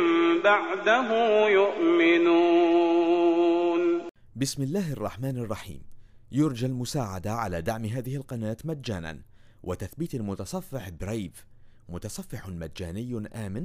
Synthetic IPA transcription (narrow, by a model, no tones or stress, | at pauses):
mbaʕd̪aɦʊmjʊʔmɪnuː | n | bɪsmɪlːaːhɑrˤːɑ̰ħmaːnɑrˤːɑħḭːm | jʊɾˤd͡ʒalmʊsaːʕad̪aʕalaːd̪aʕmɦaːðɪhɪlqɑnaːt̪mad̪d͡ʒaːna̰n | wʔat̪aθbiːt̪mʊt̪ɑsˤɑfːɪħbɾejb | mʊt̪ɑsˤɑfːɪħmad̪d͡ʒaːnɪjːʔaːmɪn